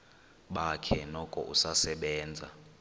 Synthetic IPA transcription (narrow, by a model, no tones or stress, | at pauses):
ɓakʰɛnɔkʼɔ̰ʔusasɛɓɛːnd͡zʱa̰